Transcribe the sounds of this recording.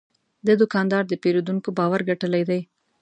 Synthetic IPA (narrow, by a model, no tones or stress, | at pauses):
d̪əd̪ʊkɑnd̪ɑɾd̪əpeɾod̪uŋkobɑwaɾɡaʈəlajd̪aj